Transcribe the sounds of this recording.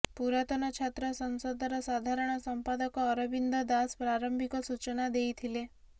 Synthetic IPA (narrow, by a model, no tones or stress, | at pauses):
puɾat̪ɔnɔt͡ʃʰat̪ɾɔsənsod̪ʱaɾɔsad̪ʱaɾəɳ̃ɔsəmpad̪əkɔːɾɔbind̪ʱɔd̪aspɾaɾəmbʱikɔsut͡ʃənad̪eit̪ʰile